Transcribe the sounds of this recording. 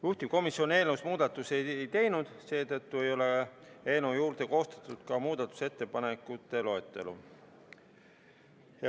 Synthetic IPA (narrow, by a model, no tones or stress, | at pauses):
juht̪iko̞misːio̞ne̞ːlnewsmuːd̪ɑt̪ːˑuse̞jjt̪e̞jnud̪̥se̞ːt̪ɤt̪ːue̞jo̞le̞e̞ːnojuːɾd̪̥e̞ko̞ːst̪ɑ̥t̪ˑːud̪̥kɑmuːd̪̥ɑt̪ːˑu̥se̞t̪ːe̞pɑne̞kːˑut̪ːˑe̞lo̞et̪ːˑe̞̰lṵ | jɑ